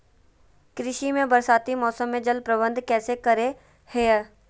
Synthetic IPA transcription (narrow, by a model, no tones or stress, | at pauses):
kɾɪʃimẽbəɾsaːt̪imɔːsəmːẽd͡ʒəlpɾəbə̃nd̪kɛːsekəɾe | heɛ